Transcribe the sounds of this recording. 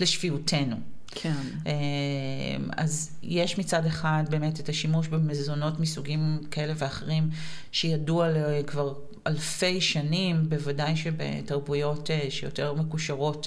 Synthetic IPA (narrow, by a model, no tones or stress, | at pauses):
leʃfiutʰe̞nu | kʰe | ʔe | ma̰zjeʃmit͡sade̞χadbe̞ːme̞tetaʃimuʃbemezo̞no̞tmisuɡimkae̞le̞veaχeʁim | ʃejadualekvaʁ | alfe̞jʃanimbevadajʃebḛtaʁbujo̞teʃejo̰te̞ʁme̞kuʃaʁo̞t